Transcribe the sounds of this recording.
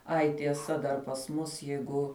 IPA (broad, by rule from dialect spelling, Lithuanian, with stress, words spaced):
ˈɐɪ tʲiɛˈsɐ dɐr pɐs ˈmʊs ˈjɛɪɡʊ